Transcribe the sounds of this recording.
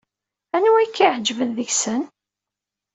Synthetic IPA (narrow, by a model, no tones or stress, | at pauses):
ænuækːiʕd͡ʒvənðəçsən